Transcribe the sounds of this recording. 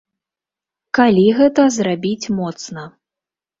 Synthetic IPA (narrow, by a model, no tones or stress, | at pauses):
kalʲiɣɛt̪ɐzrabʲit͡sʲmɔt̪snɐ